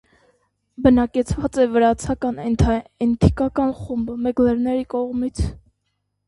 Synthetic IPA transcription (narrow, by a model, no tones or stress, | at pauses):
bənɑkɛt͡sʰvɑt͡sɛvəɾɑt͡sʰɑkɑnɛnt̪ʰɛnt̪ʰi̥kɑkɑnχumbəmɛɡlɛɾnɛɾikɔʁmit͡sʰ